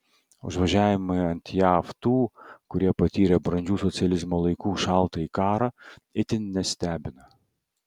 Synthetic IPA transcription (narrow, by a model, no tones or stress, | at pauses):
ʊ̰ʒʋɐʒʲæːʋʲɪmɐɐnʲt̪ʲjɑːft̪uːkʊɾʲiɛpɐt̪ʲiːɾʲɛbɾɐnʲd͡ʒʲuːsɔsʲɪɐlʲɪzmoːlˠɐɪkuːʃɑˑlˠt̪ɐiːkɑːɾɐɪt̪ʲɪnnʲɛsʲt̪ʲæːbʲɪnɐ